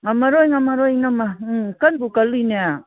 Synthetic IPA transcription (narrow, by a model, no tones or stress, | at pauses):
ŋamaɾojŋamaɾojŋamakanbukalinia